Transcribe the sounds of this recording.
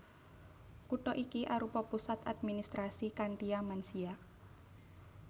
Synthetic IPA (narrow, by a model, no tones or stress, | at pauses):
kuʈɔʔikiʔaɾupɔpusat̪ad̪̚minist̪ɾasikaɳʈiamansia